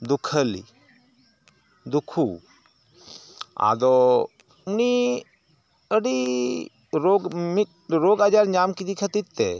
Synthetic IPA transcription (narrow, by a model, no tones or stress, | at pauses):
d̪ukʰəlḭ | d̪ukʰṵ | a̰d̪ɔ | uni | əɖi | ɾoɡmit̪̚ | ɾoɡad͡ʒaɾɲamkid̪ikʰət̪it̪ːɛ̰